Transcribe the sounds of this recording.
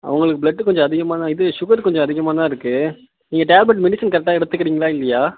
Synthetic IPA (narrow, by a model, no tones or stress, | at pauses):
ɐ̰ʋɐŋɡɐɭɯkːɯbɭɐɖːɯkɔɲd͡ʒɔ̃ɐðɪɣɐmaːt̪ãːɪðɯʃʊɣɐɾkɔɲd͡ʒɔ̃ɐðɪɣɐmaːt̪ãːɪɾɯkːɯ | niːŋɡɐʈaːlbɛʈmɛɽɪsɐnkɐɾɛk̚ʈaːɛɽɯt̪ːɯkːɪɾiːŋɡɐɭaːɪlːɐjaː